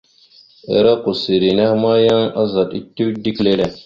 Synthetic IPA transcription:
ḛ˨ɾa˦ku˨si˨ɾi˨na˦hma˦ja˦ŋa˦za˨ti˦tːu˦kdi˦kle˦le˨

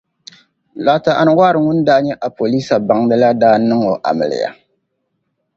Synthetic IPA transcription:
la˨˦ta˨ʔa̰˨n˦wa˦ɾɨ˨ŋʊ˦n˦daː˦ɲɛ˦ʔa˨po˨liː˦sa˨ba˨ŋdɨ˦la˦daː˦nɨ˦ŋo˨ʔa̰˨mɨ̰˨lɪ̰˨ja̰˨

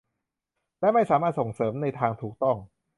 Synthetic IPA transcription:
lɛ˦˥ma˥˩jsaː˩˦maː˥˩t̪̚so˨˩ŋsɤː˩˦mna˧jt̪ʰaː˧ŋt̪ʰuː˨˩k̚t̪ɔ˥˩ŋ

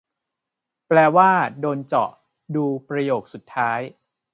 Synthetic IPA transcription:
plɛː˧waː˥˩doː˧nt͡ɕɔ̰˨˩ʔ | duː˧pɾa˧joː˨˩k̚su˨˩t̪ʰːaː˦˥j

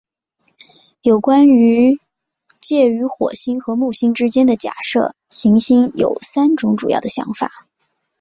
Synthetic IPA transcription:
jo˨˩ʊkwa˥ny˧˥ | t͡ɕjɛ˥˩y˧˥xwɔ̰˨˩ɕi˥ŋxɤ˧˥mu˥˩ɕi˥ŋʈ͡ʂɻ̩˥t͡ɕjɛ˥nd̪ə˨t͡ɕja̰˨˩ʂɤ̰˥˩ | ɕi˧˥ŋɕi˥ŋjo̰˨˩ʊsa˥nʈ͡ʂʊ˧˥ŋʈ͡ʂu˨˩jɑ̰˥˩ʊd̪ə˩ɕjɑ̰˧˥ŋfa̰˨˩˦

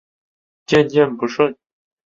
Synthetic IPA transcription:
t͡ɕɛ˥˧nt͡ɕɛ˥˩˨npu˧˥ʂɤ˥˩

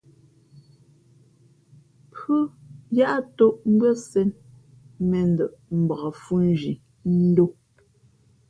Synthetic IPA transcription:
pə˦ja˦ʔa˦to˦ʔm̩˦ɡwə˦sɛ˦n | mɛ˨n̩˦də˨ʔm̩˨ba˨fu˦n˦d͡ʒi˨ | n̩˦do˦

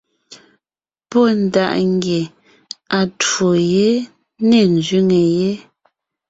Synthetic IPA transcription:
pɔ˦˨n˨da̰˨ʔŋɡje˨ | a˨two˨je˦ | nɛ˨n˨zɥi˦ŋe˨je˦

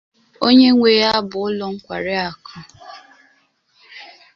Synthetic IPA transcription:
o˦ɲe˦ŋʷe˨ja˦bʊ˨ʊ˦lɔ˦ŋ̩˦kʷa˨ɾɪ˦a˨kʰɔ˦

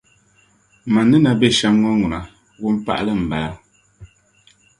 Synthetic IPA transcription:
ma˨nːɨ˦na˨be˦˨ʃa˦mŋɔ˦ŋu˨na˨ | wu˦m̩˦pa̰˦ʔlə˦m̩˨bɛ˨la˦

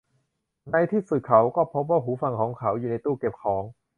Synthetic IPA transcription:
na˧jt̪ʰiː˥˩sɯː˨˩kʰa˩˦wkɔː˥˩pʰo˦˥p̬̚waː˥˩ɦuː˩˦fa˧ŋkʰɔː˩˦ŋkʰa˩˦wjuː˨˩na˧jt̪uː˥˩ke˨˩p̚kʰɔː˩˦ŋ

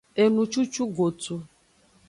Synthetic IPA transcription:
e˨nũ˨t͡ʃu˦t͡ʃu˦ɡo˨tu˨

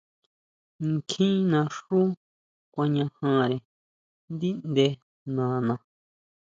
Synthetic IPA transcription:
ŋ˨kʰĩ˦nã˧ʂu˦ | kʷã˧ɲã˧hã˧ɾe˨ | nd̪i˦nd̪e˧ | nã˨nã˧

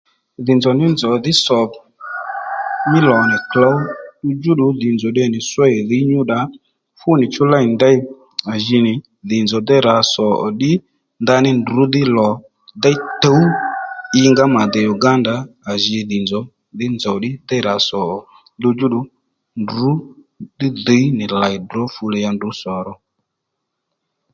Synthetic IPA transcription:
ðɪ˨nd͡zɔ˨nɪ˦nd͡zɔ˨d̪ɪ˦sɔ˨ | mɪ˦lɔ˨nɛ˨kla˨˦wɗu˧d͡ʒu˦ɗu˨˦dɪ˨nd͡zɔ˨ɗɛ˧˨nɪ˨swɛ˦˨ði˨˦ɲu˦ɗa˨˦ | fʊ˦nɪ˨t͡ʃʊ˦la˦ɪ˨nd̪ɛ˦ɪ˦ | a˨ʒi˧nɪ˨ | dɪ˨nd͡zɔ˨d̪ɛ˦ɾa˨˦sɔ̰˨ɗɪ˦ | nd̪a˧nɪ˦ndu˨˦d̪ɪ˦lɔ˨ | d̪ɛ˦t̪ə˨˦u˦ɪ˧ŋɡa˦ma˨d̪ɛ˨ju˨ɡa˦nda˨˦a˨ʒɪ˧˨ðɪ˨nd͡zɔ˨˦ | d̪ɪ˦nd͡zɔ˨ɗɪ˦d̪ɛ˦ɾa˨˦sɔ˨ɔ˨ | dʊ˧d͡ʒu˦ɗʊ˨˦ | ndu˨˦ | d̪ɪ˦di˨˦nɪ˨la˨ɪ˨dɔ˨˦fu˧lɛ˧ja˧ndʊ˨˦sɔ˨ɾɔ˧

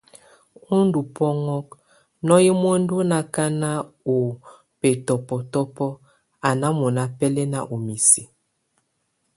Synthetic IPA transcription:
u˦ndu˨pɔ˦ŋɔ˦k̚ | nɔ˦ji˦m˦o˦ndo˦na˨ka˦na˦o˨ | pɛ˨tɔ˨pɔ˨tɔ˦pɔ˦ | a˨na˦mɔ˨na˦pɛ˦lɛ˦na̰˦ʔo˨mi˨si˨

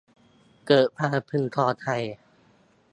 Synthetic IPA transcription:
kɤː˨˩t̪̚pʰaː˧pʰɯ˧ŋt̪ʰɔː˧t̪ʰa˧j

